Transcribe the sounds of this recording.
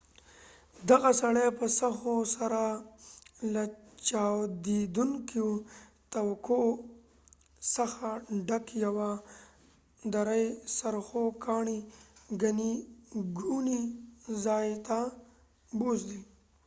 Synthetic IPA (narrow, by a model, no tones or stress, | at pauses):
d̪aɣasaɽepəsaxosaɾa | lat͡ʃɑwd̪ed̪uŋko | t̪awko | saxaɖakjawa | d̪aɾajsaɾxokɑɳiɡaniɡunizɑjt̪a | bozd̪i